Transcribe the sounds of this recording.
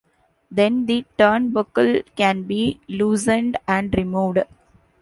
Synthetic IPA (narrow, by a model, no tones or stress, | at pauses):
d̪ɛ̃nd̪iʈəːnbʊkəlkæ̃nbiːluːsə̃ɳɖæ̃ɳɖɾɪmuːʋɖ